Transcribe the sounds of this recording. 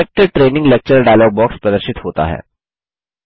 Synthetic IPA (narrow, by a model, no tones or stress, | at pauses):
ek̚ʈəʈɾeːnɪ̃ŋɡlek̚t͡ɕəɾɖajlɔːɡ̚bɔːkspɾɐd̪əɾʃɪt̪hoːt̪a̰ɦɛ̰ː